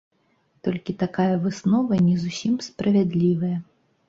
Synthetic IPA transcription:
t̪ɔlʲkʲit̪akajɐvɨsnɔvɐnʲɛzusʲimspɾɐvʲad̪lʲivɐjɐ

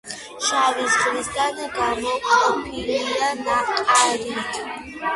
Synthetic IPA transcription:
ʃavisχʼlisɡ̪anɡamɔɔpʰilianaχt̪ʼaɾit̪ʰ

